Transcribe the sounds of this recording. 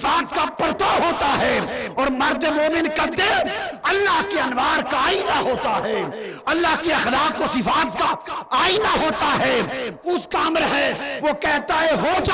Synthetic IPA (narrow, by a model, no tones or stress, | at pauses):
ɪfaːt̪̚kapɐɾt̪oɦoːt̪aɦɛːɔːɾmɐɾd̪emoːmɪnkad̪ɪɾɐlːaɦkeɐnʋaːɾkaːinaɦoːt̪aɦɛː | ɐlːaɦkiɐxlaːq̚ːosɪfaːt̪̚kaaːinaɦoːt̪aɦɛːʊskaːmɾɐɦeʋokɛɦt̪aɛɦod͡ʒa